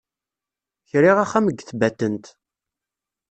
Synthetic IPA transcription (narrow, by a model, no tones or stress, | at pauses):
çɾiʁæχːæməɡθbæt̪ːənt̪